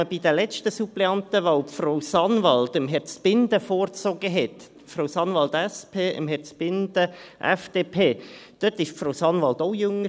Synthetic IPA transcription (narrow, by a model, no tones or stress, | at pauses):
əb̥id̥əlɛt͡ʃtəsuplɛɑntəʋaʊpfroʊsɑnʋɑld̪əmɦɛɾt͡sb̥ɪndəfoːɾt͡soɡəɦɛt | froʊsɑnvɑlt̪ɛspʰeːə̰mhɛɾt͡sb̥ɪnd̥əʔɛfd̥eːpʰeːd̥øtɪʃfrowsɑnʋɑlt̪oʊjʏŋə